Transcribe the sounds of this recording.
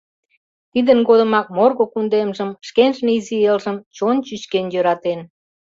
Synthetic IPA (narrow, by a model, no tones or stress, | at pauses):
t̪id̪ənɡod̪ə̆mɑk̚morɣokund̪emʒəmʃkenʒneizielʒəmt͡ɕont͡ɕyt͡ɕkenjøɾɑt̪en